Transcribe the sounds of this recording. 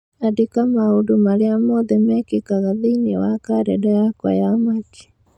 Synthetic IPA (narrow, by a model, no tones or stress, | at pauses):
adekamaodumaɾeamɔðɛmɛkekaɣaðeinewakaɾɛdajakwa̰jamake̥